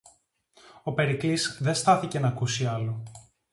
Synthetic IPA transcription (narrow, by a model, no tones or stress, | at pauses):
o̞pe̞ɾiklisðe̞st̪ɐθice̞nɐkusiɐlo̞